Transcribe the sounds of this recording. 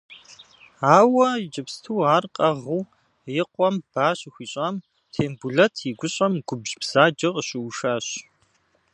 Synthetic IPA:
aːwɐd͡ʒɪpstʰuːaːrqʼɐʁuː | jɪqʷʼɔmb̥aːɕxʷiːɕʼaːm | tʰeːmbuɮɐtʰiɡʷʊɕʼɐmɡ̥ʷʊbʑbz̥aːd͡ʒɐqəɕɪwʃaːɕ

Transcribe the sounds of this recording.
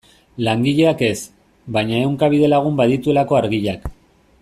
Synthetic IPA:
laŋɡiʎe̞ake̞s | bajɲaewŋkaβ̞ið̞e̞laɣ̞umbaðit̪ue̞lako̞aɾɣiʎak

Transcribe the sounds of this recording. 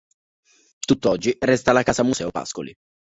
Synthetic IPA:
t̪ut̪ːɔd͡ʒːirɛst̪alakaːsamusɛːopa̰sko̰lḭ

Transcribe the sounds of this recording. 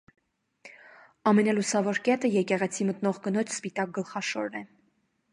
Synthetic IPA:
ɑmɛnɑlusɑvɔɾkɛt̪əjɛkɛʁɛt͡sʰimət̪nɔʁkənɔt͡ʃʰspit̪ɑk̚ɡəlχɑʃɔɾnɛ

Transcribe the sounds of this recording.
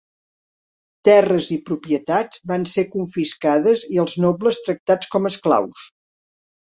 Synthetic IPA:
t̪ɛrəzipɾupiət̪ad͡zβansekuɱfiskaðəziəlˠznɔbləst̪ɾək̚t̪at͡skɔməskla̰ws

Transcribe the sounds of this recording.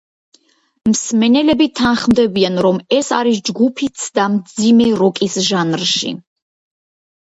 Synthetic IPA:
msmɛnɛlɛbit̪ʰanχmd̪ɛbianɾɔmɛsaɾisd͡ʒɡupʰit̪sʰd̪amd̪zimɛɾɔkʼisʒanɾʃḭ

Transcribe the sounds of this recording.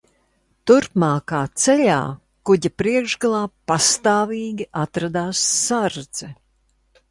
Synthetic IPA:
t̪uɾpmaːkaːt̪sɛʎa̰ː | kuɟapɾiɛɡʒɡalˠaːpast̪aːviːɡʲiʔat̪ɾad̪aːsːaɾd̪z̥ɛ

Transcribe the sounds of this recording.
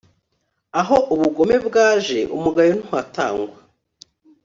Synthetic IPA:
aɦo̞ʔuβuɡo̞me̞bɡaːʒe̞ʔṵmuɡajon̥uwata̰ːŋɡwa

